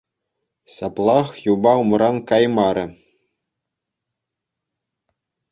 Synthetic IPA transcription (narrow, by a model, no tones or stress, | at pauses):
sɑplˠɑχjubɑumɾɑnkɑjmɑɾʲɘ̆